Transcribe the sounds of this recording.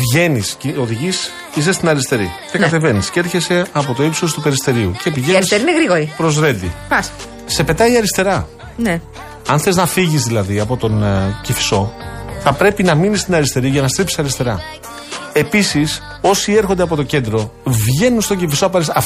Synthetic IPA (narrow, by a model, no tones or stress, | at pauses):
vʝe̞niscio̞ðiʝis | is̬est̪inɐɾist̪e̞ɾḭcekkɐt̪e̞ve̞niscɾçe̞se̞ɐp̬o̞t̪o̞epsoðost̪upe̞ɾist̪e̞ɾiucepiʝeɐɾniseɾineɣɾiɣoɾipɾo̞zɾe̞nd̪ḭpɐs | se̞pe̞t̪ɐiɐɾist̪e̞ɾɐ | ne | ɐnθeznɐfiʝizðilɐðiɐpo̞t̪o̞ncifi̥so̞θɐpɾe̞pinɐminist̪inɐɾist̪e̞ɾiʝɐnɐst̪ɾipsi̥sɐɾist̪e̞ɾɐ̰ | e̞pisis | o̞sie̞ɾxond̪eɐpo̞t̪o̞ce̞nd̪ɾo̞vʝe̞nunst̪o̞ɲɟifisoɐp̬ɐɾisɐ